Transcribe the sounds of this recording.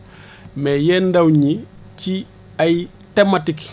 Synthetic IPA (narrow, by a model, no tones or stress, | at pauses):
mɛjɛːndɐwɲici | ɐj | tematik